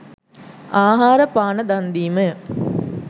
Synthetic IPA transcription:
ʔaːɦaːɾəpaːnəd̪and̪iːmə

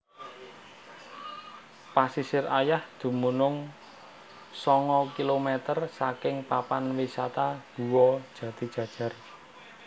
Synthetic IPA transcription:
pasisɪrajahd̪̥ṳmunʊŋ | sɔŋɔkilomɛt̪ərsakɪŋpapanwisat̪ad̥ṳwɔ̥ʒ̥ä̤d̪̥i̤̥ʒ̥ä̤d̥ʒ̥a̤r

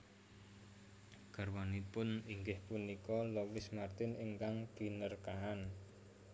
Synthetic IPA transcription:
ɡ̥a̤rwanipʊniŋɡɪhpunikɔlowɪsmart̪ɪniŋkaŋkinərkaan

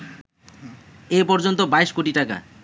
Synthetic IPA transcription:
epɔɾd͡ʑont̪obaeʃkoʈiʈaka̰

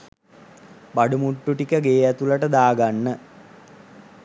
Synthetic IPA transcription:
baɖumuʈːuʈikəɡeːæt̪ulɐʈəd̪aːɡanːə

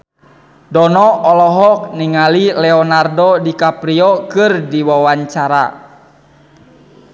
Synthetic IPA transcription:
dɔnɔːlɔɦɔk̚niŋalilɛɔnardɔdikapɾiɔkɨrdiwawaɲt͡ʃaɾa̰

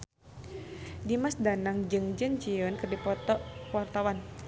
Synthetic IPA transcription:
dimasdanaŋd͡ʒɨŋd͡ʒənt͡ʃiənkərdipɔt̪ɔwart̪awan

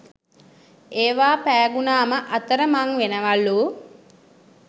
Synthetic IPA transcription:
eːʋaːpæːɡunaːməʔɐt̪əɾəmaŋʋenəʋaluː

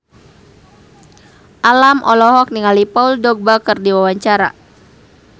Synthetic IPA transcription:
ʔalamʔɔlɔɦɔk̚niŋalipauldɔɡ̚bakərdiwawaɲt͡ʃaɾa̰

